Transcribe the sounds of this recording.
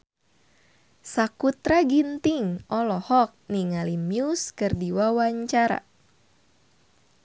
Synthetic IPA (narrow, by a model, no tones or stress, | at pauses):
sakut̪ɾaɡint̪iŋɔlɔhɔk̚niŋalimjuskɨrdiwawaɲt͡ʃaɾa̰